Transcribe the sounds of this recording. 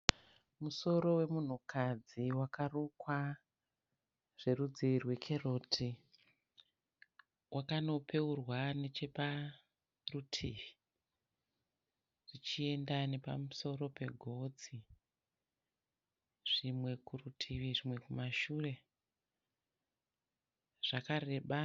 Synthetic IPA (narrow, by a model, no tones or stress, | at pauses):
muso̞ɾo̞we̞mun̤ukʰad͡ziwakarukwa | ʐ̥e̞rud͡ziirwe̞kʰe̞ro̞tʰi | wʔakano̞pe̞urwane̞t͡ʃe̞pa | rutʰiʋi | ʐ̥it͡ʃie̞ndane̞pa̰muso̞ro̞pe̞ɡʱo̞d͡zi | ʐ̥imwe̞kurutʰiʋiʐimwe̞kumaʃure̞ | ʐ̥akare̞ːɓa